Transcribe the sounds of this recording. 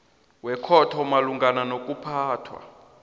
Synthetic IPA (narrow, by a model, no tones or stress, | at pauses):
wɛkʰɔtʰɔmaluŋɡananokʼupʰaːtʰwa̰